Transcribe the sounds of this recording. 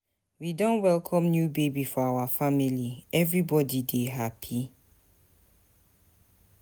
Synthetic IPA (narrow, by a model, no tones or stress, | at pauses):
widõnwɛlkʰɔ̃mnjubebifɔawafamiliɛvɹibɔdideɦapʰi